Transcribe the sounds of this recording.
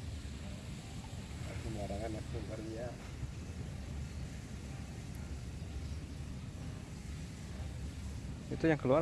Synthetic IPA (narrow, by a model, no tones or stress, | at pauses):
a̰kuməaɾaŋanakuŋəria | it̪ujaŋkəlua